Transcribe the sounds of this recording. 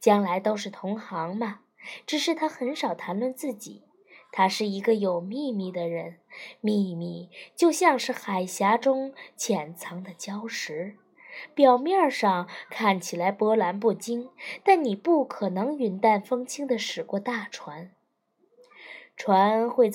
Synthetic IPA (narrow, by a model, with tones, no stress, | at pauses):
t͡ɕjɑ˥ŋla˧˥ɪt̪o˥ʊʂ̬ɻ̩˥˩t̪ʰʊ˧˥ŋxɑ˧˥ŋmɐ˧ | ʈ͡ʂɻ̩˨˩ʂ̬ɻ̩˥˩t̪ʰa˥xə˧˥nʂɑ˨˩ʊt̪ʰa˧˥nlwə˥˧nt͡sɹ̩˥˩t͡ɕḭ˨˩˦ | t̪ʰa˥ʂɻ̩˥˩i˧˥ɡə˧jo˨˩ʊmi˥˧mi˥˩d̪ə˩ɻə˧˥nmi˥˧mi˥˩t͡ɕjo˥˧ʊɕjɑ˥˧ŋʂɻ̩˥˩xa˨˩ɪɕja˧˥ʈ͡ʂʊ˥ŋt͡ɕʰjɛ˨˩nt͡sʰɑ˧˥ŋd̪ə˧t͡ɕjɑ˥ʊʂɻ̩˧˥ | pjɑ˨˩ʊmjɑ˥˧ʂɑ˥˩ŋkʰa˥˩nt͡ɕʰi˨˩la˧˥ɪpwɔ˧˥la˧˥np̬u˥˩t͡ɕi˥ŋt̪a˥˩nni˨˩pu˥˩kʰɤ˨˩nɤ˧˥ŋy˧˥nt̪a˥˩nfɤ˥ŋt͡ɕʰi˥ŋd̪ə˨ʂɻ̩˨˩kwɔ˥˧t̪a˥˩ʈ͡ʂʰwa˧˥n | ʈ͡ʂʰwa˧˥nxwe˥˧ɪ